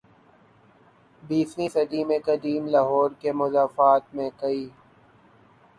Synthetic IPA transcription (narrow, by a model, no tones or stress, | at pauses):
biːswĩsɐd̪imẽkɐd̪iːmlaːɦɔːɾkemʊzaːfaːt̪̚mẽkɐiː